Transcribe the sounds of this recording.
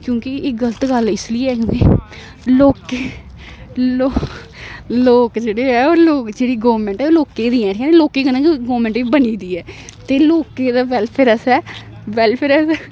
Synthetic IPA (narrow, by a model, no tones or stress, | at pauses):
kjõːkɪɪɡələt̪ɡəlɪsliːɛːkjõːki | loːkeː | loː | loːkd͡ʒeːɽeːɛːoːloːkd͡ʒeːɽiːɡoːɾmɛ̃ɳʈɛːoːloːkeːd̪iːɛ̃ːʈʰkɛːneloːkeːkənãːkiɡoːmɛ̃ɳʈiːbəniːd̪iːɛːt̪eːloːkeːd̪aːʋɛlpʰeɾəsɛːʋɛːlpʰeɾəs